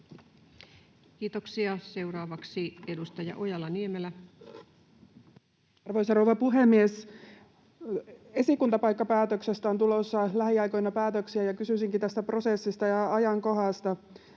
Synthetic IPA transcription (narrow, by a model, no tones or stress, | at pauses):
kiːt̪oksiɑse̞wɾɑːʋɑksiedust̪ɑjɑ̰ʔojɑlːɑniemelːæ | ɑrʋojsɑrouwʋɑpuɦemːies | e̞sikunt̪ɑpɑjkːɑpæːt̪øksest̪æont̪ulosːɑlæɦiɑjkojnɑpæːt̪øksiæjɑkysysiŋkit̪æst̪æpro̞sesːist̪ɑjɑɑjɑŋko̞ɦɑst̪ɑ